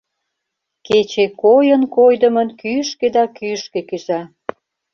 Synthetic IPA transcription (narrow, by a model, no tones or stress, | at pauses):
ket͡ɕekojənkojd̪ə̆mə̆nkyʃked̪ɑkyʃkĕkyzɑ